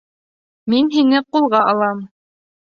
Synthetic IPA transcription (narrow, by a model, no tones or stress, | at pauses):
minɦinɘqulˠʁɑʔɑlˠɑm